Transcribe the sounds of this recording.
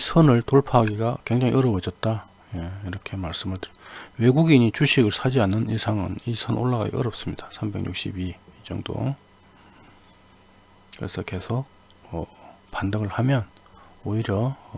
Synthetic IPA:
isʰʌnɯɭtoɭpʰaɡiɡakwe̞ŋd͡ʑaŋḭʔʌɾʌbʌd͡ʑʌt̚t͈a | jeiɾʌkʰe̞maɭs͈ɯmɯɭtɯɾwe̞ɡuɡiɲit͡ɕuɕʰiɡɯɭsʰad͡ʑianːɯnisʰaŋɯ̰nisʰʌnoɭːaɡa̰ɡḭʔʌ̰ɾʌp̚s͈ɯmɲid̥ḁsʰambe̞ŋɲṵk̚ɕ͈ibid͡ʑʌ̰ŋdo̰ | kɯɾe̞sʰʌke̞sʰok̚ | ʌ | pandaɡɯɭhamjʌn | oiɾjʌ

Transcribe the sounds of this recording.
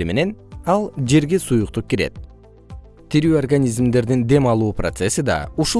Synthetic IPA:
ime̞ne̞nɑlˠd͡ʒe̞ɾɡesujuq̚t̪up̚kiɾe̞̰t̪̚ | t̪ʰiɾyːorɡanʲizmd̪e̞ɾd̪ind̪e̞mɑlˠuːprot̪se̞sid̪ɑ̰uʃu

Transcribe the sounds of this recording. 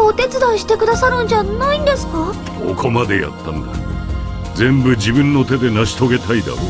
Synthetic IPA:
ot̪e̞t͡sɨd̪aiɕi̥t̪e̞kɯ̟d̪asaɾɯ̟̃ɲd͡ʑanaĩnd̪e̞sɨ̥ka | kʰo̰kʰo̞mad̪e̞ja̰t̪ːãnd̪a̰ | d͡zẽ̞mbɯ̟d͡ʑibɯ̟̃nːo̞t̪e̞d̪e̞naɕi̥t̪o̞ɡe̞t̪ʰaid̪a̰o

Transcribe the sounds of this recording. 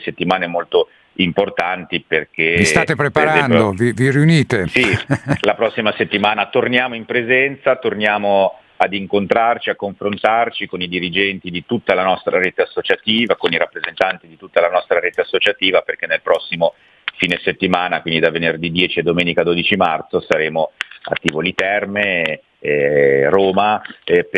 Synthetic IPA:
set̪ːimaːnɛmolt̪o | import̪ant̪iperk̟eist̪at̪epɾepaɾazɛnpjd̪oviviɾiuniːt̪esilapɾɔsːimaset̪ːimaːnat̪ornjaːmoimpɾezɛnt̪sat̪ornjaːmo | ad̪iŋkont̪ɾart͡ʃiakːoɱfɾont̪art͡ʃikonid̪iɾid͡ʒɛnt̪id̪it̪ut̪ːalanɔst̪ɾaɾeːt̪easːot͡ʃat̪iːvakoniɾapːɾezent̪ant̪id̪it̪ut̪ːalanɔst̪ɾaɾeːt̪easːot͡ʃat̪iːvaperk̟enːelpɾɔsːimo | fiːneset̪ːimaːnakwind̪id̪avenerd̪id̪jɛːt͡ʃied̪omeːnikad̪oːd̪it͡ʃimart̪sosaɾeːmoa̰t̪ːivolit̪ɛrme | roːmap

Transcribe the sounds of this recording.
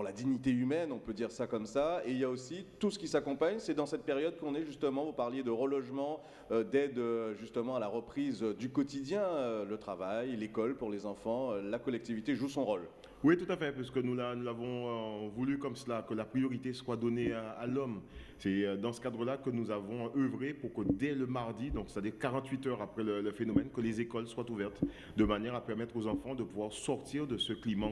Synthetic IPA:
puʁlad̪iɲit̪eymɛnɔ̃pød̪iʁsakɔmsaeiljaosit̪usə̥kʲisakɔ̃paɲsɛd̪ɑ̃sɛt̪̚peʁjɔd̪̚kɔ̃nɛʒyst̪əmɑ̃vupaʁljed̪əʁəlɔʒmɑ̃ | ød̪ɛd̪øʒyst̪əmɑ̃alaʁəpχizd̪ykɔt̪id̪jɛ̃ølət̪χavajlekɔlpuʁlezɑ̃fɑ̃ølakɔlɛk̚t̪ivit̪eʒusɔ̃ʁol | wit̪ut̪afɛpaʁsə̥kənulanuzavɔ̃øvulykɔmsəlakəlapχijɔʁit̪eswad̪ɔnealɔmsɛd̪ɑ̃sə̥kad̪ʁəlakənuzavɔ̃ːvʁepuʁkəd̪ɛləmaʁd̪id̪ɔ̃ksɛ̥t̪ad̪iʁkaʁɑ̃t̪ɥit̪œʁapχɛlələfenɔmɛnkəlezekɔlswat̪uvɛʁt̪ | d̪əmanjɛʁapɛʁmɛt̪χozɑ̃fɑ̃d̪əpuvwaʁsɔʁt̪iʁd̪əsəklimɑ̃

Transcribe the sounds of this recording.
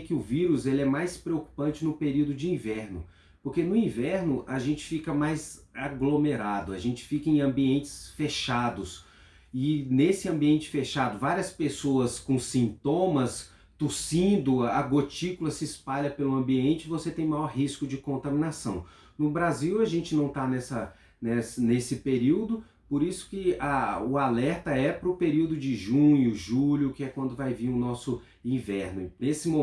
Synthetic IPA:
kɪʊviɾʊzelɪɛmajspɾeoku̥pɐ̃nt͡ʃɪnʊpeɾiwd̪ʊd͡ʒɪĩvɛɾnʊ | poɾkenʊĩvɛɾnʊʔaʒẽnt͡ʃɪ̥fikɐmajz | aɡlomeɾad̪ʊaʒẽnt͡ʃɪ̥fikɐẽj̃ɐ̃mbiẽnt͡ʃɪ̥sfeʃad̪ʊs | ɪnesɪɐ̃mbiẽnt͡ʃɪ̥feʃad̪ʊvaɾiɐspesoɐskõsĩnt̪õmɐs | t̪usĩnd̪ʊɐɡot͡ʃikʊlɐsɪːspaʎɐpelʊɐ̃mbiẽnt͡ʃɪɪvoset̪ẽj̃majɔɾɦiskʊd͡ʒɪkõnt̪ɐmĩnasɐ̃w̃ | nʊbɾaziwɐʒẽnt͡ʃɪnɐ̃w̃t̪anɛsɐ | nɛsɐnesɪpeɾiwd̪ʊ | poɾisʊ̥kɪaʊalɛɾt̪ɐɛpɾʊpeɾiwd̪ʊd͡ʒɪʒũɲʊʒuʎʊkɪɛkwɐ̃nd̪ʊvajviɾʊnɔsʊ | ĩvɛɾnʊesɪmo

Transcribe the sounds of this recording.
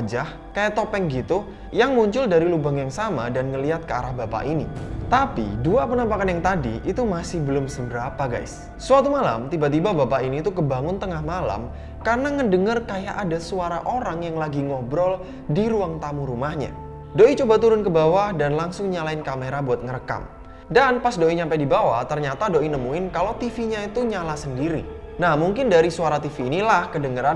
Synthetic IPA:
d͡ʒah | kajaʔt̪opɛŋɡit̪u | jaŋmuɲt͡ʃʊldaɾilubaŋjaŋsamadanŋəliɦat̪̚kəaɾahbapa̰ʔinḭt̪apḭduapənampakanjaŋt̪adiʔit̪umasɪhbəlʊmsəmbəɾapaɡa̰js | suat̪umala̰mt̪ibat̪̬ibabapaʔiniːt̪ukəbaŋʊnt̪əŋahmala̰m | karənaŋədəŋərkajaʔadasuaɾa̰ʔoɾaŋjaŋlaɡiŋɔbɾɔl | diɾuaŋt̪amuɾumahɲa̰ | doit͡ʃobat̪uɾʊnkəbawahdanlaŋsʊŋɲalaɪnkameɾabuat̪̚ŋəɾəka̰m | danpasdoiɲampajdibawat̪ərɲat̪adoʔinəmuɪnkalot̪ifiɲait̪uɲalasəndiɾḭ | nahmuŋkɪndaɾisuaɾat̪ifiːnilahkədəŋəɾan

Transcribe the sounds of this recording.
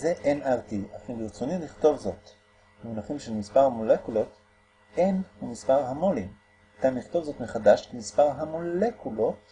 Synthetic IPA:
zeʔenaʁtiafilɡiʁt͡soniliχt̪o̞vzo̞t | bmenaχimʃelmispaʁhamolekulo̞t | enamispaʁhamolim | kamiχt̪o̞vzo̞t̪meχadaʃkemispaʁɦamolekulo̞t

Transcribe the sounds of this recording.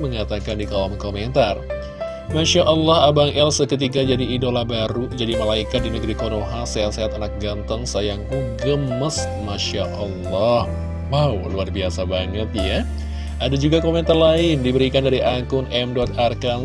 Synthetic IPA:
məŋat̪akandikalɔmkoment̪ar | maʃaʔɔlːɔhabaŋɛlsəkət̪̬ikad͡ʒadiːdolabaɾud͡ʒadimalaikat̪̚dinəɡɾikonoɦaseɦat̪̚seɦat̪anak̚ɡant̪əŋsajaŋuɡəmːəs | maʃaʔɔlːɔh | wawluarbiasabaŋət̪̚ja | ʔadad͡ʒuɡakoment̪arlaɪndibəɾikandaɾiʔaŋkʊnʔɛmdɔt̪̚arka

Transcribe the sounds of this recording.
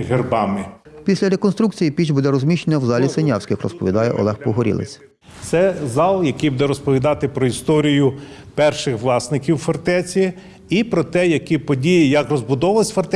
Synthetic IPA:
ɦerbɑmɪpʲisʲlʲɐɾekɔnst̪ɾukt͡sʲijipʲit͡ʃbud̪ɛɾɔzʲmʲiʃt͡ʃenʲɐwzɑlʲisenʲɑwsʲkʲɪxrɔ̰spɔʋʲid̪ɑjɛ̰ʔɔ̰lˠɛxpɔɦɔɾʲḭlˠḛt͡sʲ | t̪sɛzɑlˠjɐkʲijbud̪ɛɾɔspɔʋʲid̪ɑt̪ɪpɾɔist̪ɔɾʲijʊ | pɛrʃɪxʋlˠɑsnɪkʲiwfɐrt̪ɛt͡sʲi | ipɾɔt̪ɛjɐkʲipɔdʲijijɐkrɔzbʊd̪ɔʋɐlˠɪsʲfɐrt̪ɛ

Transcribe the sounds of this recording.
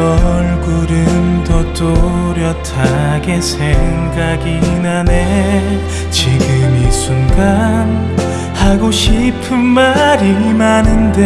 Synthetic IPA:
ʌɭɡuɾɯmtʌt͈oɾjʌtʰaɡe̞sʰeŋɡaɡinane | t͡ɕiɡɯmisunɡan | haɡoɕʰipʰɯnmaɾimanɯnde

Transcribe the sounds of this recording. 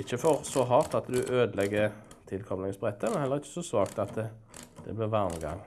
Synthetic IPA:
ɪçːəfɔʁsɔɦɑʁt̪ɑt̪d̪ʉʔøːd̪əlɛɡːə | t̪ʰɪlkʰɔmlɪŋəsbʁɛt̪ʰːəmɛnhɛlːəʁɪçːə̥sɔsʋɑːkt̪ɑt̪ə | d̪̥ɛ̰blɪʋɑʁməɡɑ̰ŋ

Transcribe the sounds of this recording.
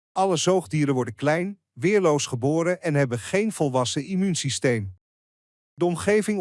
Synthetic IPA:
ɑləzowχdiːɾənʋɔɹdənklɛjn | ʋɪːɹlowsχəboːɾəʔɛnɦɛbənχejnvɔlˠʋɑsəimynsistejm | dəɔmχejvɪŋ

